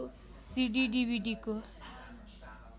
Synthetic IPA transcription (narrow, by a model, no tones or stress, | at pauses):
siɖiɖibʱiɖiko